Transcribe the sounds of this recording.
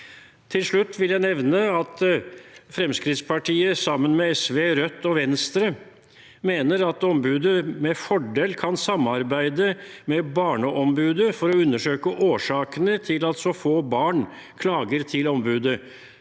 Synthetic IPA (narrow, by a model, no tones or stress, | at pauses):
t̪ʰɪlʂɭʉt̪ːʋɪljæɪnɛʋnəɑt̪ | fɾɛmskɾɪt̪spʰɑʈʰiːəsɑmːənmɛɛsʋeːɾœt̪ːɔʋɛnst̪ɾə | meːnəɾɑt̪ɔmbʉːd̪əmɛfɔɖeːlkʰɑnsɑmːɑɾbæɪd̪əmɛbɑːɳəʔɔmbʉːd̪əfɔɾɔʉnːəʂøːkəʔoːʂɑːkənət̪ʰɪlɑlt̪sɔfoːbɑːɳ | kʰlɑːɡəɾt̪ʰɪlɔmbʉːd̪ə